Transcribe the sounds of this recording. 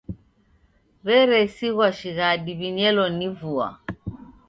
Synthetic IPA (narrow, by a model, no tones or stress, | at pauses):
βɛɾɛsiɣwaʃiɣadiβiɲɛlɔnivua̰